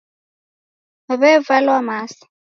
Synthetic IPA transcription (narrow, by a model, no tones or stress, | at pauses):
βɛvalwamaːsḁ